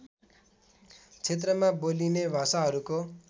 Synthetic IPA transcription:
t͡sʰet̪rʌmabolinebʱasaɦʌɾuko

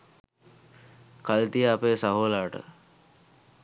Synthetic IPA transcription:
kalt̪ijəapeːsaɦoːlaːʈə̰

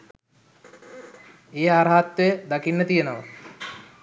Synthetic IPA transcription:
eːɦaɾɐɦat̪ʋejəd̪akinːət̪ijenoʋə

